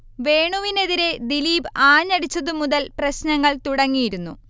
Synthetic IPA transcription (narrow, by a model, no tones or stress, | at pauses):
ʋe̞ːɳuʋine̞ðiɾe̞d̪iliːbaːɲːɐɽit͡ɕːɐðɨmuðɐlprɐɕnɐŋːɐɭt̪uɽɐŋːijiɾunːu